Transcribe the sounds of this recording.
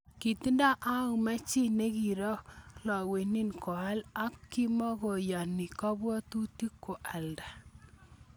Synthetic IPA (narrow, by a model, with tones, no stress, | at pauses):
ki˨ti˦nda˦ʔa˦u˨ma˦t͡ʃi˦ne˦ki˨ɾɔ˦lɔ˨we˨ni˦nkɔ˨a˦la˦kːi˦mɔ˦ɡo˨ja˨ni˨kɔ˦bwɔ˦tu˦ti˦kːo˨ʔa˨lda˨